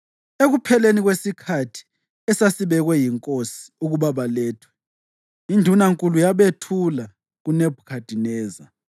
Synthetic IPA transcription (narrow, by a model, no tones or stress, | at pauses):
eɣupʰɛleniɣwesikʰatʰi̥ | ɛsasiβɛɣwɛjiŋkʼosi̥uɣuβaβalɛːtʰwɛ̥ | indʱunaŋkʼulujaβetʰula | ɣuneb̥ʱukʰad̥ʱinɛːza